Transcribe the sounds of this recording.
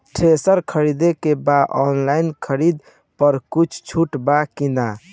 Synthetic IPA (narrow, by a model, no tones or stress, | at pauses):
ʈʰesəɾkʰəɾid̪ekebaʔɔnlainkʰəɾid̪ | pəɾkut͡ʃʰt͡ʃʰuʈbakina